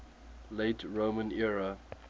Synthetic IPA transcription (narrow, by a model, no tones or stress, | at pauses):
leɪtʰɹomə̃nɛɹə